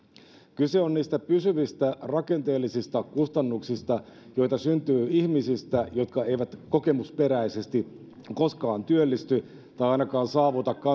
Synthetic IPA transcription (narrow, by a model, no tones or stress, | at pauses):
kyse̞onniːst̪æpysyʋist̪ærɑke̞nt̪e̞ːlːisist̪ɑkust̪ɑnːuksist̪ɑjo̞jt̪ɑsynt̪yːihmisist̪æjo̞t̪kɑe̞jʋæt̪ko̞ke̞muspe̞ɾæise̞st̪i | ko̞skɑːnt̪yølːist̪y | t̪ɑjɑjnɑkɑːnsɑːʋut̪ɑkːɑ